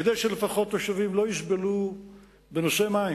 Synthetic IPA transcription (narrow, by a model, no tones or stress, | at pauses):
ked̪ejʃelefaχo̞t̪joʃavimlo̞jiʃbelu | beno̞se̞mai